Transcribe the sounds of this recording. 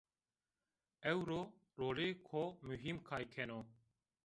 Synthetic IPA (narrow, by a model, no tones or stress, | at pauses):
ewɾoː | ɾoːleːkʰoːmuɦiːmkʰaːjkʰeːnoː